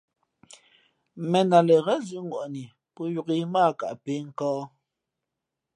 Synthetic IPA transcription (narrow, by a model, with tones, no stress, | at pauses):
mɛ˨na˨lɛ˨ɣɛ˦zʉ˦ŋ˨ɡwɔ˨ʔni˨ | pɔ˦ju˨ki˦maː˦˨ka̰˨ʔpe˦ŋ̩˨kɔː˦